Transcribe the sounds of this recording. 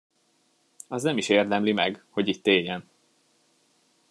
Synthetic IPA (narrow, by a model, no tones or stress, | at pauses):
ɒznɛmiʃeːrd̪ɛmlimɛɡho̞ɟit̪ːeːjɛn